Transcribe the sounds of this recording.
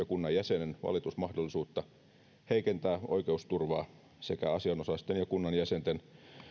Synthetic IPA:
ɑkunːɑjjæsenenʋɑ̰lit̪usmɑhdolːisuːt̪ːɑ | heikent̪æːʔo̰ikeust̪urʋɑː | sekæɑsiɑnosɑst̪enjɑkunːɑnjæsent̪en

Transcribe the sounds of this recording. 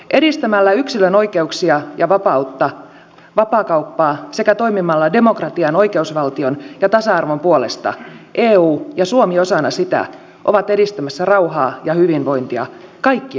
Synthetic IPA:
ʔedist̪æmælːæyksiløno̞ike̞uksiɑjɑʋɑpɑut̪ːɑ | ʋɑpɑːkɑupːɑːsekæt̪o̞imimɑlːɑde̞mo̞krɑt̪iɑno̞ikeusʋɑlt̪ionjɑt̪ɑsɑɑrʋompuolest̪ɑ̰ʔeːuːjɑsuomio̞sɑnɑsit̪æ̰ | ʔoʋɑt̪e̞ɾist̪æmæsːærɑuɦɑːjɑhyʋinʋo̞int̪iɑ̰kɑjkːi

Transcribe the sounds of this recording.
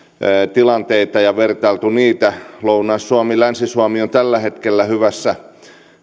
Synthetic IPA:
t̪ilɑnt̪eit̪ɑjɑʋert̪ɑilt̪uniːt̪ælounɑːsːuɑmilænsisuɑmiont̪ælːæhet̪kelːæhyʋæsːæ

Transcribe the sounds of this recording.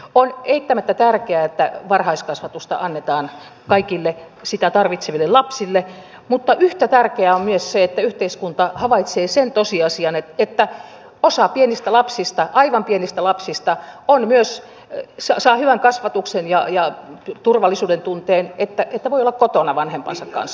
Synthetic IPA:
oneit̪ːæmæt̪ːæt̪ærkeæet̪ːæʋɑrhɑiskɑsʋɑt̪ust̪ɑ̰ʔɑnːet̪ɑːn | kɑikilːe | sit̪æt̪ɑrʋit̪seʋilːellɑpsilːe | mut̪ːɑʔyht̪æt̪ærkeæommyøsseet̪ːæyht̪eiskunt̪ɑhɑʋɑit̪seːsent̪osiɑsiɑneet̪ːæ | osɑpienist̪ælɑpsist̪ɑʔɑiʋɑmpienist̪ælɑpsist̪ɑonmyøs | sɑsɑːhyʋæŋkɑsʋɑt̪uksenjɑjɑt̪urʋɑlːisuːdent̪unt̪eːnet̪ːæet̪ːæʋoiolːɑkkot̪onɑʋɑnhempɑ̰nsɑkkɑ̰ns

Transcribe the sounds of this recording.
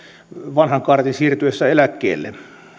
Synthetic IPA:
ʋɑnhɑŋkɑrt̪insiːrt̪yesːæelækːḛːlːḛ

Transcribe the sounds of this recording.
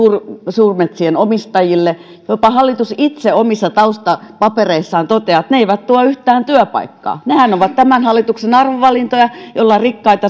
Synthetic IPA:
uːrsuːrmet̪sienomist̪ɑjilːe | jopɑhɑlːit̪usit̪seomisːɑt̪ɑust̪ɑpɑpereisːɑːnt̪ot̪eɑt̪neeiʋæt̪t̪uɑyht̪æːnt̪yøpɑ̰ikːɑ̰ːnehænoʋɑt̪t̪æmænhɑlːit̪uksenɑrʋoʋɑlint̪ojɑjolːɑrikːɑit̪ɑ

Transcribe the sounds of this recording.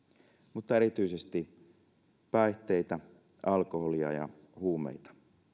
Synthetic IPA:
mut̪ːɑeɾit̪yisest̪i | pæiht̪e̞it̪æ | ʔɑlko̞holiɑ̰jɑ̰ | huːmḛjt̪ɑ̥

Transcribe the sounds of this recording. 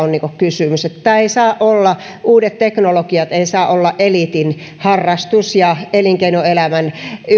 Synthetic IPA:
onniːŋkokkysymyset̪ːæeisɑːʔʔolːɑ | ʔuːdet̪t̪eknolokiɑt̪eisɑːʔolːɑʔʔelit̪in | hɑrːɑst̪usjɑeliŋkeinoelæmæn

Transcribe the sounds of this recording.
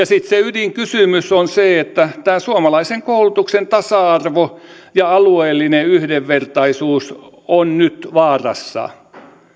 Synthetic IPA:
jɑsit̪seydiŋkysymysonseet̪ːæt̪æːsuomɑlɑiseŋkoulut̪uksent̪ɑsɑɑrʋo | jɑɑlueːlːineyhdeʋʋert̪ɑisuːs | onnyt̪ʋɑːrɑ̰sːɑ̰

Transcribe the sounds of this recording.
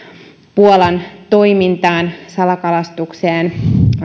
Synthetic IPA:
puolɑnt̪o̞jmint̪ɑːnsɑlɑkɑlɑst̪ukseːn

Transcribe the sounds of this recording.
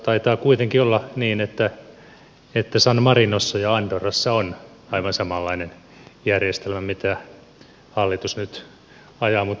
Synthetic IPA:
t̪ɑit̪ɑːkuit̪eŋkiolːɑniːnet̪ːæ | et̪ːæsɑnmɑrinosːɑjɑɑnt̪orɑsːɑon | ɑiʋɑnsɑmɑlːɑinen | jærjest̪elmæmit̪æ | hɑlːit̪usnyt̪ | ɑjɑːmut̪

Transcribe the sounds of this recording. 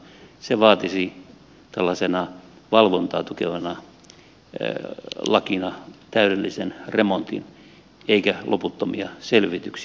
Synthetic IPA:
seʋɑːt̪isi | t̪ælːɑsenɑʋɑlʋont̪ɑ̰ːt̪ukeʋɑnɑ | lɑkinɑt̪æyɾelːisenremont̪ḭn | eikælʔoput̪ːomiɑselʋit̪yks

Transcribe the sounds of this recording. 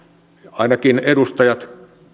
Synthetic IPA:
ɑinɑkinedust̪ɑjɑt̪

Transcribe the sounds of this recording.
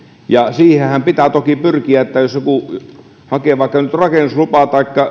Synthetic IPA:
jɑsiːhehæmpit̪æt̪okipyrkiæet̪ːæjosjoku | hɑkeˑʋɑikːɑnyt̪rɑkenːuslupɑt̪ɑˑikːɑ

